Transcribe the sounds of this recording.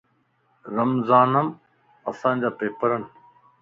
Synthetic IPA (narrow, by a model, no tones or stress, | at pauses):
ɾɐmzaːnəm | ɐsãːd͡ʑaːpeːpəɾən